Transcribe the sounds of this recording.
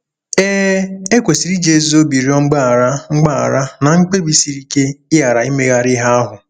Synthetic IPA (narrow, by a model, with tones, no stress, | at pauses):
eː˦e˦kʷe˨si˨ɾi˦d͡ʒe˦˨zo˦bi˨ɾi˦ɔ˦ŋ͡m̩˦ɡ͡ba˦a˨ɾa˦ŋ͡m̩˦ɡ͡ba˦a̰˨ɾa˦na˨ŋ̩˦k͡pe˦bi˦si˨ɾi˦ke˦ɪ˦a˨ɾa˨i˦me˦ɣa˦ɾɪ˦ɦa˦a˦ɦʊ˨